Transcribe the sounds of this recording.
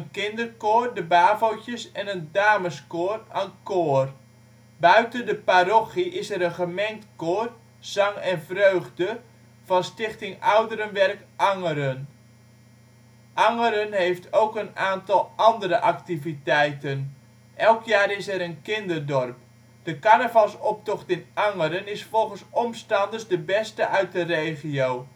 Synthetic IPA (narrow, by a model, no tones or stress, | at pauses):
ənkɪndərkoːrdəbaːvowcəsɛnəndaːməskoːrənkoər | bœɥtəndəpaɾoχiʔɪsɛɾənχəmɛŋk̚tkoːr | z̥ɑŋɛnvrøɥɣdə | v̥ɑnstɪχtɪŋawdəɾənʋɛrkʔɑŋəɾən | ʔɑŋəɾənɦejftʰowkənaːntɑlˠɑndəɾəʔaktivitɛjtən | ʔɛlˠkjaːɾɪsɛɾənkɪndərdɔrp̚ | d̥əkanavalsɔp̚tɔχtɪnɑŋəɾənɪsffɔlˠχənsɔmstɑndərszdəbɛstəʔœɥt̚dəreːχiow